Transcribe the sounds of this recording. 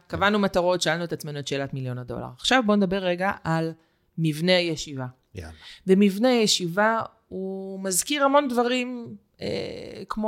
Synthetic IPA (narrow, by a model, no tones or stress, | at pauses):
kavanumataʁo̞tʃaalnuetat͡smenuet̪ʃeːlatmiljo̞nado̞̰la̰ʁaχʃavbo̞ned̪abe̞ʁːeɡaʔal | mivne̞ajeʃiva | vemivne̞ajeʃiva | umazkiʁhamo̞ndvaʁim | ḛkmo